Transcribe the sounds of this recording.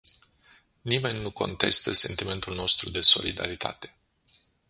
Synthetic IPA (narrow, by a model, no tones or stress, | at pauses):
nime̞nʲːuko̞̰nt̪e̞st̪əse̞nt̪ime̞nt̪ulno̞st̪ɾud̪e̞so̞̰lid̪a̰ɾit̪ʰa̰t̪e̞̥